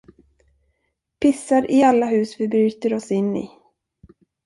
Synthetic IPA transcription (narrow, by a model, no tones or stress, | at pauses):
pʰɪsːaɾʔɪalːaɦʉ̟ːsvɪbɾyːt̪əɾɔsɪnːɪ̰